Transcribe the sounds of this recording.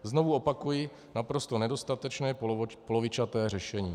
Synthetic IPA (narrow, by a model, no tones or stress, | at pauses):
zno̞vuo̞pakujɪ | napɾo̞st̪o̞nɛdo̞st̪at̪ɛt͡ʃnɛːpolo̞vɪt͡ʃat̪ɛːrɛʃɛɲiː